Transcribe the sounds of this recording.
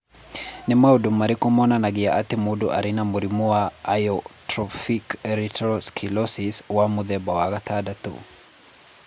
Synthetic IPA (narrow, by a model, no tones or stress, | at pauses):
nimaudumaɾikɔmɔnanaɡijaʔat̪imuduʔa̰ɾinamuɾimuaːjɔtɾɔfikɛɾitɾɔskʰilɔsiswamuðɛbawakat̪adat̪ṵ